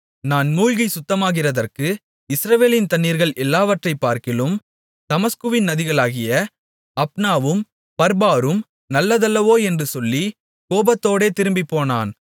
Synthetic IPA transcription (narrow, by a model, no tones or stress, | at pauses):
naːnmuːɻɣɐɪsʊt̪ːɐmaːɣɪrɐðɐrkɯ | ɪsɾɐʋeːlɪnt̪ɐnːiːɾɣɐɭʔɛlːaːʋɐʈrɐɪpːaːɾkɪlɯm | t̪ɐmɐskɯʋɪnnɐðɪɣɐɭaːɣɪjɐ | ɐpnaːʋɯm | pɐɾbaːɾɯm | nɐlːɐðɐlːɐʋoːɛndrɯsɔlːi | koːbɐt̪ːoːɽeːt̪ɪɾɯmbipːoːna̰ːn